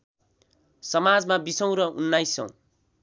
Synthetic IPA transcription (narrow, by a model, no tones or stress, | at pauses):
sʌmad͡zmabisʌw̃ɾʌʔunːajsʌ̰̃w̃